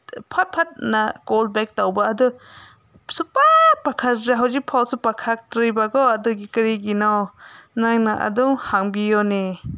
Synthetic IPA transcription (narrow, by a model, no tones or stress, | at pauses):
pʰat̚pʰat̚naɡol̚bɛk̚tawbaadɯ | supapakʰaɾaɦawd͡ʒipʰɔlsɯpakʰak̚tɾɯjbaɡɔwadɯɡikɯɾiɡinawnaŋnaʔa̰duŋhaŋbijɔne